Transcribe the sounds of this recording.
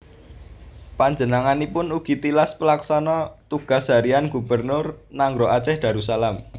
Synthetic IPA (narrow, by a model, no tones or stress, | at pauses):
paɲd͡ʒənaŋanipʊnuɡ̥i̤t̪ilaspəlaksanɔt̪uɡ̥a̤sɦa̤ɾianɡ̥ṳb̥ərnʊrnaŋɡɾoʔat͡ʃɛhd̪̥a̤ɾusalam